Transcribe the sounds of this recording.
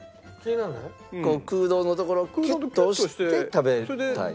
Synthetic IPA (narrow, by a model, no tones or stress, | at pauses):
kenana | koːkɯːd̪o̞ːnot̪oko̞ɾo̞kkʲiːoɕit̪et̪abet̪a̰ḭ